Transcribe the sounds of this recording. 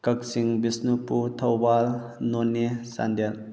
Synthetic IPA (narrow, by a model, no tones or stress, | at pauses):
kɐk̚siŋbisnuput̪ʰɐwbal | nonːesa̰nd̪el